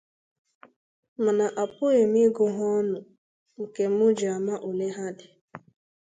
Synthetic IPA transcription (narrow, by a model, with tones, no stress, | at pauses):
m̩˨na˨ʔa˨pʊ˦e˨m˦i˦ɡʊ˦ɦɔ˦nʊ˨ | ŋ̩˨ke˨m̩˦ʊ˦d͡ʒa˨ma˦ʔo˨ne˦ɦa˦dɪ˨